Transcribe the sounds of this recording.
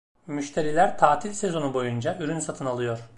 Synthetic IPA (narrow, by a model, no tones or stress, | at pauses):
myʃt̪ʰe̞ɾilʲæɾt̪ʰaːt̪ʰilʲse̞zo̞nubo̞jund͡ʒaʔyɾynsat̪ʰɯnalˠɯjo̞ɾ̥